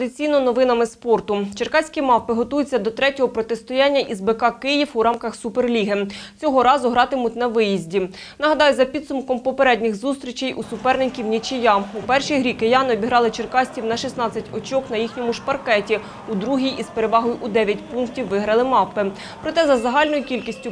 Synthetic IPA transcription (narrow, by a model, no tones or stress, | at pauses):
ɐd̪ɪt͡sʲijnɔnɔʋɪnɐmɪspɔrt̪ʊt͡ʃerkɑsʲkʲimɑpːɪɦɔt̪ujʊt͡sʲːɐd̪ɔt̪ɾɛtʲɔɦɔpɾɔt̪est̪ɔjɑnʲːɐʔizbekɑkɪjifuɾɑmkɐxsuperlʲiɦɪt͡sʲɔɦɔɾɑzʊɦɾɑt̪ɪmʊt̪ʲnɐʋɪjizʲdʲi | nɐɦɐd̪ɑjʊzɐpʲid̪sʊmkɔmpɔpeɾɛdʲnʲɪxzust̪ɾʲit͡ʃejʔusʊpɛrnɪkʲiwnʲit͡ʃɪjɑupɛrʃijɦɾʲikejɑnɔbʲiɦɾɑlˠɪt͡ʃerkɑsʲtʲiwnɐʃisn̪ɑt͡sʲːɐtʲɔt͡ʃɔknɐjixnʲɔmʊʃpɐrkɛtʲi | ud̪ɾuɦʲijispeɾeʋɑɦɔjʊʔud̪ɛʋʲjɐtʲpunktʲiwʋɪɦɾɐlˠɪmɑpːɪ | pɾɔt̪ɛzɐzɐɦɑlʲnɔjʊkʲilʲkʲisʲtʲʊ